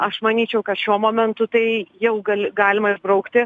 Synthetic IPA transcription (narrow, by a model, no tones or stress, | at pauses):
ɐʃmɐnʲiːt͡ʃʲɛʊkɐt̪ʃʲuɔmoːmʲɛnt̪ʊt̪ɐɪjɛʊɡɐlʲɡɑːlʲɪmɐɪʒbɾɐʊkt̪ʲɪ